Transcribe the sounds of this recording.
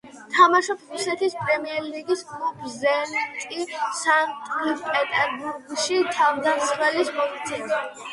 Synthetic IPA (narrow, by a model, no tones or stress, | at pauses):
t̪ʰamaʃɔpsɾusɛt̪ʰispʼɾɛmiɛɾliɡiskʼlupʰzɛlint̪ʼisant̪ʼlipʼɛt̪ʼɛɾbuɾɡʃit̪ʰavd̪assχɛlismɔit̪sʰɛna